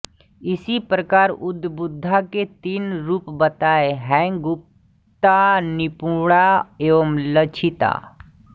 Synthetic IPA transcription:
ɪsipɾəkaːɾʊd̪ʱbʊd̪ʱːaket̪iːnɾuːpbət̪aːeɦɛ̃ːɡʊp̚ | t̪anɪpuɽaeːʋəmlət͡ʃʰɪt̪a̰ː

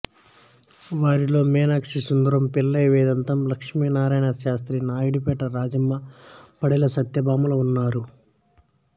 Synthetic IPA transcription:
ʋaːɾilo̞ːmɛːnakʂisund̪ɐɾɐmpilːɐjʋɛːd̪ɐnt̪ɐmlɐkʂmiːnaːɾaːjnɐʃaːst̪ɾinaːjiɽupɛːʈɐɾaːd͡ʒɐmːɐpɐɽelɐsɐt̪jɐbaːmulɐunːaːɾu

